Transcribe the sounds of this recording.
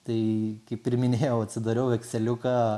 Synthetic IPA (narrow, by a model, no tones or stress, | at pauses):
t̪ɐɪkɐɪppʲɪɾʲmʲɪnʲeːjɛʊɐtʲsʲɪd̪ɐɾʲɛʊʋʲɛksʲɛlʲʊkɑː